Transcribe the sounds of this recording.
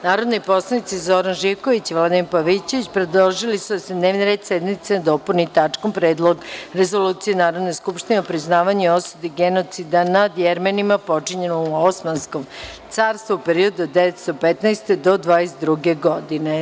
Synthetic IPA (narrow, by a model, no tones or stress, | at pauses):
naːɾo̞d̪nipo̞slˠanit̪sizoɾanʒiʋkoʋit͡ɕiʋlˠad̪impaʋit͡ɕeʋit͡ɕpɾed̪oʒilisud̪ased̪neːʋniɾed̪sed̪mit̪senad̪o̞punit̪at͡ʂko̞mpɾeːd̪lˠo̞ɡɾezo̞luːt̪sijenaːɾo̞d̪ne̞skupʃt̪ineopɾiznaːʋaɲuosud̪eiɡeno̞t̪sid̪anad̪jɛɾmanimapo̞t͡ʂiɲenouosmansko̞mtt̪saːɾst̪vuupeɾio̞d̪ud̪eʋet̪st̪o̞pet̪nɛjst̪ed̪o̞d̪ʋaːjesd̪ɾuɡeɡod̪ine̞